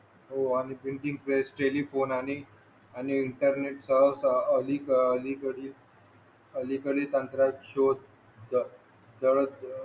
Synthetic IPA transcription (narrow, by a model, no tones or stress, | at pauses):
oañipiɳʈĩŋɡpɾesʈelifonaɽ̃i | aniːɳʈəɾneʈsasəlikəəlikəɽiːl | əlikəɽiːt̪ənt̪ɾakɕod̪ | d̪ | d̪əɭə